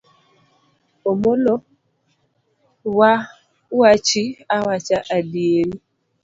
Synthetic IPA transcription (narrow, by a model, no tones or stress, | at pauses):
omolo | wa | wat͡ʃiawat͡ʃaʔadieɾi